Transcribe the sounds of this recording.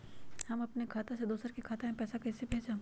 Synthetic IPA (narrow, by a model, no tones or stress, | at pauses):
hɐmɐpnekʰaːt̪ased̪oːsəɾkikʰaːt̪aɦɛ̃pɛːsakɛːsebʱeːd͡ʒãː